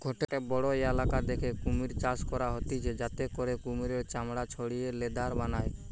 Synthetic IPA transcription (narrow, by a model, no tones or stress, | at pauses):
ɡʱoʈeʈebɔɽɔeɛlakad̪ekʰekumiɾt͡ʃaskɔɾaɦɔt̪it͡ʃʰed͡ʒat̪ekɔɾekumiɾeɾt͡ʃamɽat͡ʃʰɔɽijeled̪aɾbanaj